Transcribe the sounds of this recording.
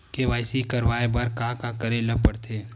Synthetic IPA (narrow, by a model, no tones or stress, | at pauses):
keʋaːɪsikɐɾʋaːebɐɾkaːkakɐɾelɐpəɽt̪ʰeː